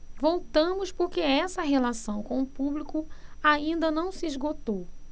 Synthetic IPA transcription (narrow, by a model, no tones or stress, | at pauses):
vowt̪ɐ̃mʊspoɾkeɛsɐɦelasɐ̃w̃kõʊpublikʊaĩnd̪ɐnɐ̃w̃siizɡot̪ow